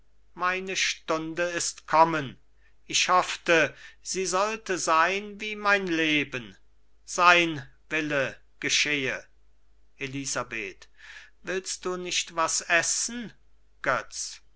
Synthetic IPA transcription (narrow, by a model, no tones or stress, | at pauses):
maɪnəʃtʊndəɪstkʰɔmən | ɪçhɔftəz̥iːzɔltəzaɪnviːmaɪnleːbən | z̥aɪnvɪlə | ɡ̥əʃeːə | ʔeliːzabḛːtvɪlst̚d̥uːnɪçtv̥asɛsn̩ | ɡ̥œt͡s